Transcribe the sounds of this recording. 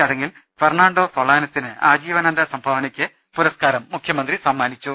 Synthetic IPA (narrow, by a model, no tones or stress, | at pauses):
ɐɽeŋɡil | ferɳaːɳɖoːsoɭaːnɐsinɨaːd͡ʑiːʋɐnɐnd̪ʱɐsɐmbʱaːʋɐnɐkʲːɨ | puɾɐskaːɾɐmːukʰjɐmɐnd̪risɐmːaːnit͡ɕːu